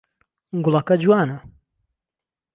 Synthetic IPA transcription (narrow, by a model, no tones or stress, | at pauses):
ɡulˠɐkɐd͡ʒuwaːnɐ